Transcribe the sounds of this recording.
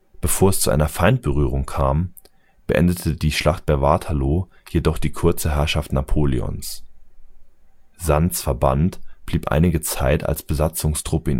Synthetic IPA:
b̥əfoːɐɛst͡suʔa̰ɪnɐfaɪnt̚b̥əʁyːʁ̞ʊŋkʰaːm | b̥əʔɛ̰ndətʰədiːʃlaχt̚b̥ɛɐvaːtʰaloːjedɔχd̥iːkʰʊɐt͡səɦɛɐʃaftnapʰoːlḭɔ̰ns | z̥ant͡sfɛɐba̰ntb̥liːpʔa̰ɪnɪɡət͡saɪta̰lsb̥əzat͡sʊŋstʁ̥ʊpəiːn

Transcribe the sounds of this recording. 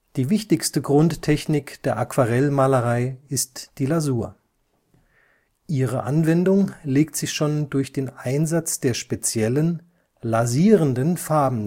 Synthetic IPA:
d̥iːvɪçtɪçstəɡʁʊnttʰːɛçnɪkd̥eːɐʔakv̥aʁɛlmaːləʁaɪɪstd̥iːlazuːɐ | ʔiːʁ̞əʔanvɛndʊŋleːk̚tz̥ɪçʃoːndʊɐçd̥eːnʔaɪnzat͡sd̥eːɐʃpet͡sjɛlən | laziːʁəndənfaɐbm̩

